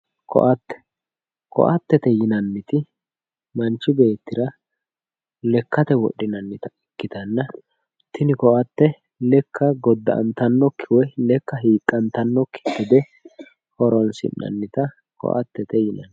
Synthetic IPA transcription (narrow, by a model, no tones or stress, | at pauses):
kɔ̰ʔɐt̪ːɛ̥ | kʰɔ̰ʔɐt̪ːɛt̪ɛjɪnɐnːɪt̪ɪ | mɐnt͡ʃːɪbe̞ːt̪ːɪɾɐ | lɛkːɐt̪ɛwɔ̰ɗːɪnɐnːɪt̪ɐɛkːɪt̪ɐnːɐ | t̪ɪnɪkɔʔɐt̪ːɛ | lɛkʰːɐɡɔd̪ːɐ̰ʔɐ̰nt̪ɐnːɔkʰːɪwɛlɛkːɐɦiːkʼːɐnt̪ɐnːɔkʰːɪ̥t̪ːɪd̪ɛ | hɔɾɔnsɪ̰nːɐ̰nːɪt̪ɐ | kʰɔ̰ʔɐ̰t̪ːɛt̪ɛjɪnɐ̰n